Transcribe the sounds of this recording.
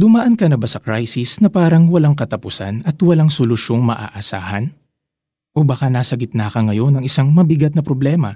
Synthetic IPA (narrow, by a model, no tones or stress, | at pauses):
d̪ʊmɐʔɐnkɐnɐbasɐkɾajsɪsnɐpaːɾɐŋwɐlaŋkɐt̪ɐpʊsa̰nɐt̪wɐlaŋsolʊʃo̞ŋmɐʔa̰ːʔɐsa̰ːhɐn | ʔobɐkanaːsɐɡɪt̪̚naːkɐŋɐjo̞nɐŋɪsaŋmɐbɪɡat̪̚nɐpɾoblɛːmɐ̰